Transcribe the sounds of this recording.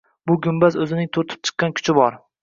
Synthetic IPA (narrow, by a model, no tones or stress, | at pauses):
bʊɡʲʊmbazɵzɪnɪŋt̪ʰoɾt̪ʰɪ̥p̚t͡ʃʰɨ̥qːɑnkʲʰʊ̥t͡ʃʰɪbɒɾ